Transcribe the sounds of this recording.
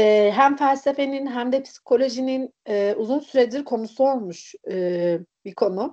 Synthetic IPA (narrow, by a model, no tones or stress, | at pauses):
ɛːɦæmfælʲse̞fe̞ninɦæmd̪ɛpʰsi̥kʰo̞lʲo̞ʒininɛuzunsyɾeiɾkʰo̞nusuo̞lˠmuʃɯːbikʰo̞nu